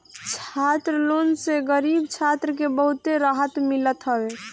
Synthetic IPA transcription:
t͡ʃʰat̪ɾəlonseɡəɾibt͡ʃʰat̪ɾəkebəɦut̪eɾaɦət̪milət̪ɦəbe

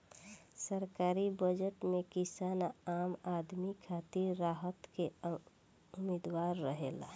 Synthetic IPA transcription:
səɾkaːɾibəd͡ʒəʈmekisanaamad̪mikʰat̪iɾːaɦət̪ke | ʊmed̪waɾːəɦela̰

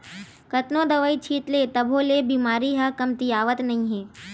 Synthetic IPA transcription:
kət̪nõd̪ɐʋəit͡ʃʰiːt̪let̪əbʱolebiːmaːɾiɦəkɐmt̪ijaːʋət̪nɐɦĩɦeː

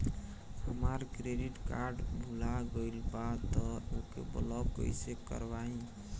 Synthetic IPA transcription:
həmaɾkɾeɖiʈkaɾɖbʱulaɡəjlbat̪ɔokḛbə̰lɔkə̰jsekə̰ɾbaĩ

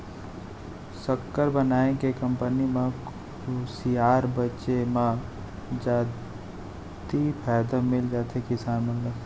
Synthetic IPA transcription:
səkːəɾbənaːẽkekə̃mpənimẽk | usiaːɾbətːt͡ʃemã | d͡ʒaː | t̪ipʰɛːd̪ãmɪld͡ʒaːt̪ʰekɪsaːnməllə

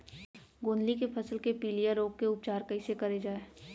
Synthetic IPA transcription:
ɡoːnlikepʰɐsəlkepiːlijaɾoːk̚keʊp̚t͡ʃaːɾkɐisekɐɾed͡ʒaːe

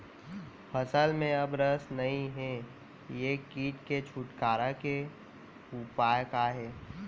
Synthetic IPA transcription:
fʰəsəlmẽɐbɾəsnɐɦĩɦɛ | jekiːʈket͡ʃʰuʈkaːɾake | upaːjkaɦɛː

